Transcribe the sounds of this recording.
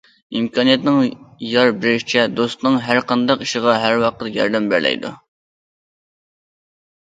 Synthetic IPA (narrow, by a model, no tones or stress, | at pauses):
imkʰɑnijɛt̪nɪŋjɑɾbɪɾɪʃi̥t͡ʃʰɛd̪ost̪nɨŋɦæɾqʰɑnd̪ɑqiʃɪʁɑɦæɾwɑqʰət̪jɑ̰ɾd̪ɛmbæ̰ɾlʔɛ̰jd̪ṵ